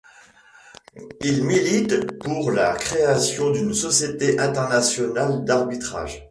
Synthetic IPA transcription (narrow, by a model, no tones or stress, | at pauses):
ilmilit̪puʁlakχeasjɔ̃d̪ynsɔsjet̪eʔɛ̃t̪ɛʁnasjɔnald̪aʁbit̪χa̰ʒ